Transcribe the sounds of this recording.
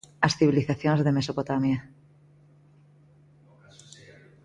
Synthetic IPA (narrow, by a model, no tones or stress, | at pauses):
asθiβiliθaθjonzðemesopot̪amja